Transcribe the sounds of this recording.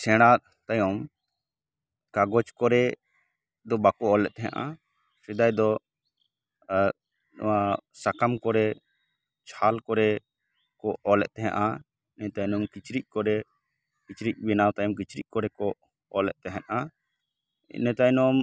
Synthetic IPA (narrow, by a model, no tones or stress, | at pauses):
sɛ̃ɽ̃at̪̚ | t̪ajɔm | kaɡɔt͡ʃkɔɾɛ | d̪ɔbakɔɔlɛʔt̪̚t̪ɛɦɛ̰̃ʔa̰ | sid̪ajd̪ɔ | ɔ̰wasakamkɔɾɛ | t͡ʃʰalkɔɾɛ | kɔɔlɛ̰ʔ̪̚t̪ɛɦɛ̰̃ʔa | nɛt̪ajnɔmkit͡ʃɾic̚kɔɾɛ | kit͡ʃɾic̚bɛnawt̪ajɔmkit͡ʃɾic̚ˀkɔɾɛkɔ | ɔlɛ̰ʔ̪̚t̪ɛɦɛ̃ʔ̪a | nɛt̪ajnɔm